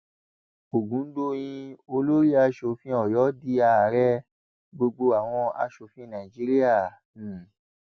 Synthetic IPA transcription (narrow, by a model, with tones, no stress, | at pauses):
o˨ɡũ˨˦do˧j̃ĩ˧o˧lo˦ɾi˦a˧ʃo˧fĩ˦ɔ˦˨jɔ˨˦di˦˧˦a˧˨ɾɛ˦ | ɡ͡bo˧ɡ͡bo˧a˨w̃ɔ̃˧a̰˧ʃo˧fĩ˦nã˨i˨d͡ʒi˦ɾi˦a˦˨